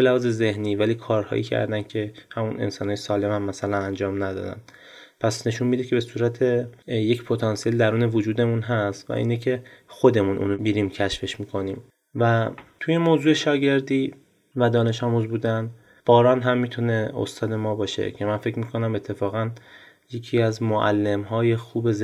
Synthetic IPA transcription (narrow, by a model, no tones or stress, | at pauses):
belæhɒːze̞ze̞hniːvæliːkʰɒːɾhɒ̰ːʔḭːcʰæ̰ɾd̪æncʰe̞hæmune̞̰nsɒːnhɒːjesɒːle̞mhæmːæsælænænd͡ʒɒːmnæd̪ɒ̰ːd̪æ̰n̥ | pʰæsne̞ʃunmid̪icʰe̞be̞suːɾæt̪ʰejecpʰo̞t̪ʰɒnsije̞ld̪æɾuːne̞vod͡ʒuːd̪e̞munɦæst̪væ̰ʔḭːnecʰe̞xod̪e̞munʔṵːnbiːɾiːmcʰæʃfe̞ʃmiːkʰo̞niːm | væt̪ʰuje̞moːzuːe̞ʃɒːɟe̞ɾd̪iː | væd̪ɒːne̞ʃɒːmuzbuːd̪æn | b̥ɒːɾɒːnɦæmːiːt̪ʰune̞o̰st̪ɒːd̪e̞mɒːbɒːʃḛcʰe̞mænfe̞cʰmiːkʰo̞næme̞t̪ʰːe̞fɒːɣæn | je̞cʰiæzmoʔæ̰lːe̞mɦɒːje̞xuːbe̞z